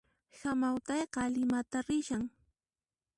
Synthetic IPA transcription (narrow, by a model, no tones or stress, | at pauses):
samawt̪ɑjqɑlɪmat̪aɾɪʃaŋ